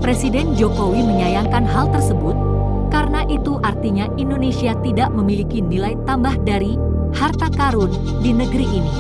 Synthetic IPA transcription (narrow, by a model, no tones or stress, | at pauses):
pɾesidɛnd͡ʒokowiməɲajaŋkanɦalt̪ərsəbʊt̪̚ | kaɾənaʔit̪uʔart̪iɲaʔindonesiat̪idaʔməmilikinilajt̪ambahdaɾi | hart̪akaɾʊn | dinəɡəɾiʔːni